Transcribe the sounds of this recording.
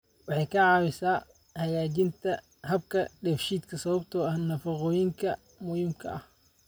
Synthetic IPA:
wɑħɑjkʰɐʕɑːwɪsaː | hɐjaːt͡ʃɪnt̪ʰɐ | hɐb̚kʰɐɖɛfʃiːd̪kʰɐsɐβɐbt̪ʰɔɐhnɐfɑqɔːjɪŋkʰɐ | mʊjɪmkʰɐ̰ʔɐh

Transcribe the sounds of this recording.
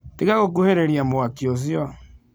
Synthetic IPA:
teɣaɣokoheɾeɾjamoakiozjɔ

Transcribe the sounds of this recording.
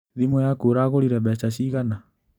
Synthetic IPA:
ðimɔjakoɾaɣoɾiɾɛβɛt͡ʃaɕiɣana

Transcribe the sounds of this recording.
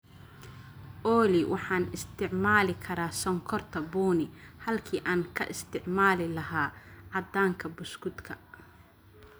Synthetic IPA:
ʔɔːlɪwʔɑħɑːnɪst̪ʰɪʕmaːlɪkʰɐɾaːsɔŋkʰɔrt̪ʰɐbuːnɪhɐlkʰiːʔaːŋkʰɐ̰ʔɪst̪ʰɪʕmaːlɪlɐɦaːʕɑd̪aːŋkʰɐbʊskʊd̪kʰɐ

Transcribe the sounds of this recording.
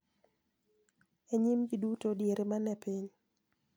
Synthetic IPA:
eɲimɡidutodjeɾemanɛpiɲ

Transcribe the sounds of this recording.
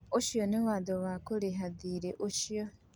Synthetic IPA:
oʃjonewaːdowakoleɦaðiɾeʔoʃjo

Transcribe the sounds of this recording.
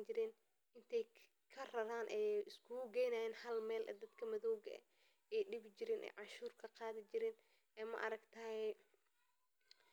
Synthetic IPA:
t͡ʃɪɾɛːn | ʔɪnt̪ʰɛj | kʰɐrɐɾaːnʔɛjɪskʰuɡɛjnaːjɛːnhɐlmɛːlʔɛ̰d̪ɐd̪kʰɐmɐðɔwɣɐ̰ʔɛ̰ | ɛjɗɪβɪd͡ʒɪɾɛːnʔɛ̰jʕɑʃuːrkʰɐqɑːðɪt͡ʃɪɾɛːn | ɛːmɐ̰ʔɐ̰ɾɐɡt̪ʰɐhɛ

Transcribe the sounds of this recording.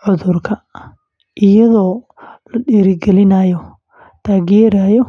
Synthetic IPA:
ʕʊðʊrkʰɐ | ʔɪjɐðɔː | lɐɗiːɾɪɡɛlɪnajɔ | t̪ʰaːɣjɛːɾajɔ

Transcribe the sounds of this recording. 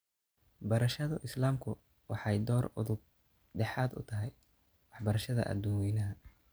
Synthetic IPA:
bɐɾɐʃɐðʊʔɪslaːmkʰʊ | wɑħɑjd̪ɔːrʊ̰ðʊb̚ | ɖɛħɑːd̪ʊ̰t̪ʰɐɦɛj | wɑħbɐɾɐʃɐðɐ̰ʔɐ̰d̪uwɛːnɐɦɐ

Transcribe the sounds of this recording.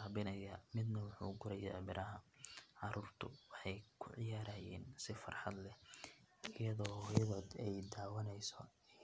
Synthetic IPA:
aːβɪnɐjaːmɪd̪nɐwʊħṵːɡʊɾɛjɛːbɪɾʔɐɦɐʕɑɾuːrt̪ʰʊwɑħɑjkʰʊʕɪjaːɾɐːjɛːnsɪfɐ̰rħɑ̰d̪lɛ | ɪjɐðɔːhʊβɔːd̪ɛjd̪aːwɐnɛjsɔ

